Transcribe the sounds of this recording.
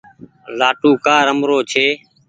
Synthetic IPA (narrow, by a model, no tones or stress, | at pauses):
laːʈuːkaːɾəmɾoːt͡ʃʰeː